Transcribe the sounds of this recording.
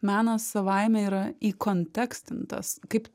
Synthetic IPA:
mɑːnɐsɐʋɐɪmʲɛiːɾɐiːkoːnʲt̪ʲɛksʲt̪ʲɪnt̪ɐ̰skɐɪp

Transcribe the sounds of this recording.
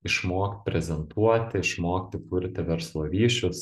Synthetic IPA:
ɪʃmoːk̪pʲɾʲɛzʲɛnt̪uɔt̪ʲɪɪʃmoːkt̪ʲɪkʊɾʲt̪ʲɪʋʲɛɾslˠoːʋʲiːʃʲʊs

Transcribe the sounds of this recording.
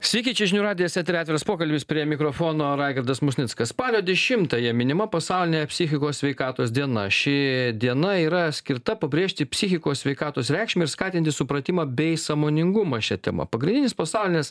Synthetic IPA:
sʲʋʲiːkʲiɛt͡ʃʲɛʒʲɪnʲuɾɑːd̪ʲɪjɛsʲɛːt̪ʲɾɪːt̪ʲɛɾɐspoːkɐlʲbʲɪspʲɾʲiɛmʲɪkɾoːfoːnoːɾɑːɪɡʲɐɾd̪ɐsmʊsʲnʲɪt̪skɐsspɑːlʲoːd̪ʲɛʃʲɪmt̪ɐjɛmʲɪnʲɪmɐpɐsɐʊlʲɪnʲeːjɛpʲsʲɪxʲɪkoːssʲʋʲɛɪkɑːt̪oːsd̪ʲiɛnɐ̰ʃʲɪd̪ʲiɛnɐiːɾɐsʲkʲɪɾt̪ɐpɐbʲɾʲeːʃʲt̪ʲɪpʲsʲɪxʲɪkoːssʲʋʲɛɪkɑːt̪oːsɾʲɛˑɪkʃʲmʲɪɪɾskɑːt̪ʲɪnt̪ʲɪsʊpɾɐt̪ʲɪmɑbʲɛɪsɐmoːnʲɪŋɡʊmɑʃʲɛt̪ʲɛ̰mɐ̰pɐɡɾʲɪnd̪ʲɪnʲɪspɐsɑʊlʲɪnʲes

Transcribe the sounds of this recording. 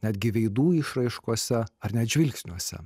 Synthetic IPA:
nʲæd̪ʲɡʲɪʋʲɛɪd̪uːɪʃɾɐɪʃkuɔsʲɛɐɾnʲɛt̪ʒʲʋʲɪlʲksʲnʲuɔsʲɛ̰

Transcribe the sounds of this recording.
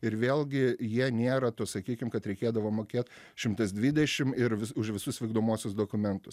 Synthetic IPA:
ɪɾʋʲeːlʲˠɡʲɪjiɛnʲeːɾɐt̪osɐkʲiːkʲɪmkɐt̪ɾʲɛɪkʲeːd̪ɐʋoːmoːkʲeːt̪ | ʃʲɪmt̪ɐsd̪ʲʋʲid̪ʲɛʃʲɪmɪɾʋʲɪʊʃʋʲɪsʊsʋʲiːɡd̪oːmoːsʲʊsd̪oːkʊmʲɛnt̪ʊs

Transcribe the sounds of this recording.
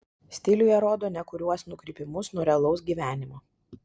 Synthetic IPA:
sʲt̪ʲɪlʲʊjɛɾoːd̪oːnʲɛkʊɾʲuɔsnʊkɾʲɪːˑpʲɪmʊsnuɔɾʲɛlˠɔʊs̬ɡʲiːʋʲæːnʲɪmo

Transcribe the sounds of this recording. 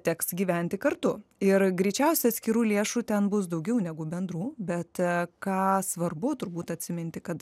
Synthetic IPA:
t̪ʲɛksɡʲiːʋʲɛnʲt̪ʲɪkɐrt̪ʊɪɾɡɾʲɪːt͡ʃʲɛʊsʲɛɐt̪sʲkʲɪɾuːlʲeɛʃuːt̪ʲɛnbʊs̬d̪ɐʊɡʲɛʊnʲɛɡʊbʲɛnd̪ruːbʲɛt̪kɑːsʋɐrbʊt̪ʊɾbuːt̪ɐt̪ʲsʲɪmʲɛnʲt̪ʲɪkɐt̪

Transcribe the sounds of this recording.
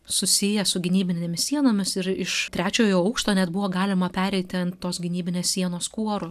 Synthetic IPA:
sʊsʲɪjɛsʊɡʲɪnʲiːbʲɪnʲeːmʲɪssʲiɛnoːmʲɪsɪɾɪʃt̪ʲɾʲæːt͡ʃʲoːjoːɐʊkʃt̪oːnʲɛd̪bʊʋoːɡɑːlʲɪmɐpʲæːɾʲɛɪt̪ʲɪɐnt̪t̪oːsɡʲɪnʲiːbʲɪnʲeːssʲiɛnoːskuɔɾʊ

